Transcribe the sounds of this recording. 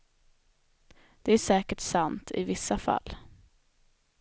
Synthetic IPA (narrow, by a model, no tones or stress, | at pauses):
d̪̥ɛæʂɛːkəʈsant̪ʰɪ̰vɪsːafa̰lː